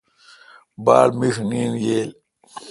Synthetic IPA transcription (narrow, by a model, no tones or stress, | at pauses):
baːlmiʂniːnjeːl